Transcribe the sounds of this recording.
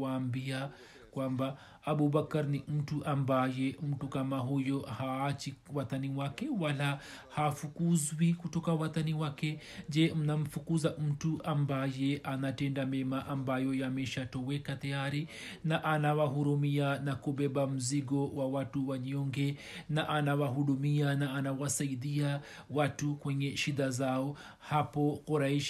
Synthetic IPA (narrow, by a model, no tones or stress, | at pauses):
aːmbia | kwamba | aɓubakaɾnim̩tuʔambajɛm̩tukamaɦujɔhaːt͡ʃiwataniwakɛwala | hafukuzwikutɔkawataniwakɛ | d͡ʒɛm̩nam̩fukuzam̩tuʔambajɛʔanatɛndamɛmaʔambajɔjamɛʃatɔwɛkatajaɾi | naʔanawaɦuɾumianakuɓɛɓam̩ziɡɔwawatuwaɲɔŋɡɛ | naʔanawaɦuɗumianaːnawasaiɗia | watukwɛɲɛʃiɗazaɔ | hapɔkɔɾaiʃ